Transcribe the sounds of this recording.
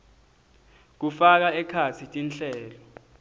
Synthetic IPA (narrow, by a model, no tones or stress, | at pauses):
k̬ufak̬aɛkʰasitʼinɬɛːlɔ